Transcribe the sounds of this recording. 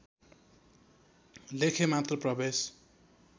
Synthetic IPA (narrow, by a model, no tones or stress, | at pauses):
lekʰemat̪rʌprʌbes